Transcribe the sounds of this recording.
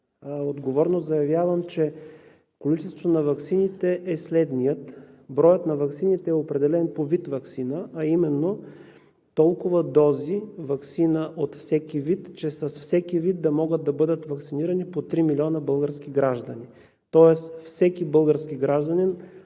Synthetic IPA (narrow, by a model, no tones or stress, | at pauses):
od̪ɡovɔɾnozɐjɐvʲjavəmt͡ʃɛ | kolit͡ʃɛst̪vot̪onɐvɐksinit̪ɛʔɛslɛd̪nijət̪bɾɔjət̪nɐvɐksinit̪ɛɛopɾɛd̪ɛlɛnpovit̪vɐksinəɐimɛnːo | t̪ɔlˠkʊvɐd̪ɔzivɐksinəʔot̪fsɛkivit̪t͡ʃɛsɐsfsɛkivid̪d̪ɐmɔɡəd̪̚d̪ɐbɤd̪ət̪vɐksiniɾənipot̪ɾimilʲiɔnəbɤlˠɡəɾskʲiɡɾaʒd̪əni | t̪ɔɛsfsɛkibɤlˠɡəɾskʲiɡɾaʒd̪ənin